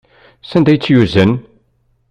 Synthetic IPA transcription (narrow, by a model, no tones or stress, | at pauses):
sænd̪æjət͡sːjuzən